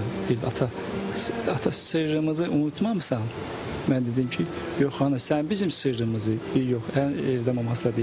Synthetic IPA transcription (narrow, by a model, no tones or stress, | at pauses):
d̪iiɾd̪iat̪ʰa | at̪ʰasɯɾɾɯmɯzɯʔunut̪ʰmɑmɯsɑn | mænd̪ed̪imcʰi | joxhɑnɯsænbizimsɯɾɾɯmɯzɯd̪̥ijijoxænevd̪ɛmomɑsab̪i